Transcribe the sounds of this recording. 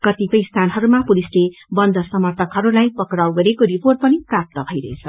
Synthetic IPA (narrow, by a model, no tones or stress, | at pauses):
kʌt̪ipʌjst̪ʰanɦʌɾumapulislebʌnd̪ʱʌsʌmʌrt̪ʰʌkɦʌɾulajpʌkɾawɡʌɾekoɾiporʈ̚pʌniprap̚t̪ʌbʱʌjɾʌet͡sʰʌ